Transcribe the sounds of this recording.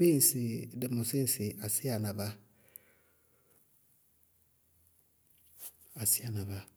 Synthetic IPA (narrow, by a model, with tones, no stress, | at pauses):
be˦˨si˨de˨mo˨se˦si˨ʔa˨si˦a˨na˨ba˦ | a˨si˦ja˨na˨ba˦